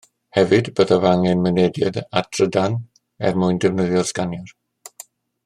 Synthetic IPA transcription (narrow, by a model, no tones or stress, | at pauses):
hɛvɨdbəðavaŋɛnmənɛdjɛ̰datʰr̥ədan | ɛ̰rmʊjndɛvnəðjɔrskanjɔr